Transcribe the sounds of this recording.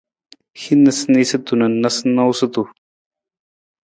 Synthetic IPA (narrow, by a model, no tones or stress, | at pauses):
xinɐsneset̪unɐnɐsnɐwsɐt̪u